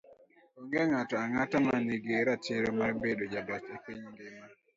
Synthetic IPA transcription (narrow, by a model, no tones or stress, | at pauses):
oŋɡeŋatɔaŋatamaniɡeɾat͡ʃeɾɔmarbedod͡ʒaɡat͡ʃepiɲŋɡeŋ